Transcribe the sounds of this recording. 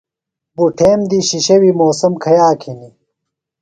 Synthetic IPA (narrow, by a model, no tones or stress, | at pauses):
buʈʰeːmd̪iɕiɕɐwimoːsɐmkʰɐjaːkʰini